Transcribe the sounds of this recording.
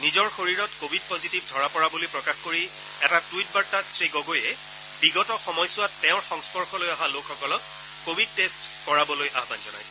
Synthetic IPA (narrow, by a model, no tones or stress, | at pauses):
nizɔɹxoɹiɹɔtkobʱidpozitibdʱɔɹapɔɹabolojpɹɔkaxkoɹi | ɛtatuit̚baɹtatsɹiɡɔɡojɛ | biɡɔtɔxɔmɔjsʊwatːɛʊ̃ɹxɔŋspɔɹxɔlojaɦalokʰxɔkɔlɔk̚ | kobʱid̚testkɔɹabɔlojʔaɦbanzɔna̰j